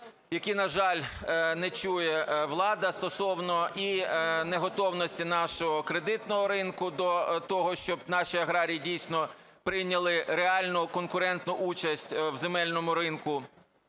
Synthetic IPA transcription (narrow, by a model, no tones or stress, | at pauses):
jɐkinɐʒɑlʲnɛt͡ʃujɛʋlˠɑd̪ɐst̪ɔsɔwnɔineɦɔt̪ɔwnɔsʲtʲinɑʃɔɦɔkɾed̪ɪt̪nɔɦɔɾɪnkʊd̪ɔt̪ɔɦɔʃt͡ʃɔb̚nɑʃiɐɦɾɑɾʲijidʲijsʲnɔ | pɾɪjnʲɐlˠɪɾeɑlʲnʊkɔnkʊɾɛnt̪nʊʔut͡ʃɐsʲtʲwzemɛlʲnɔmʊɾɪnkʊ